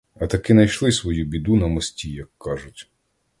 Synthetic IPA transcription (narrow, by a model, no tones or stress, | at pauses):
ɐt̪ɐkɪnɐjʃlˠɪsʋɔjubʲid̪unɐmɔsʲtʲijɐkːɑʒʊtʲ